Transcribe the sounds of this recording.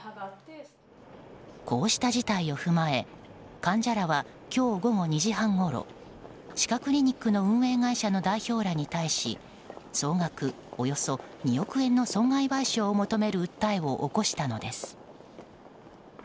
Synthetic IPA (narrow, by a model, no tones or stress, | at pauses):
ko̞ːɕi̥t̪aʑit̪aio̞ɸɯ̟mae̞kãɲ̟d͡ʑaɾaβa | kʲo̞ːɡo̞ɡo̞ɲ̟iʑiɦãŋɡo̞ɾo̞̰ | ɕi̥kakɯ̟ɾʲiɲ̟ikːɯ̟no̞ɯ̟̃ɰ̃e̞ːɡaiɕano̞d̪aiço̞ːɾaɲ̟it̪aiɕḭ | so̞ːŋɡakɯ̟ | ojo̞so̞ɲ̟io̞kɯ̟ẽ̞nːo̞sõ̞ŋɡaibaiɕoːmo̞t̪o̞me̞ɾɯ̟ɯt̪ːaiβo̞ʔːko̞ɕi̥t̪ano̞d̪e̞sɨ̥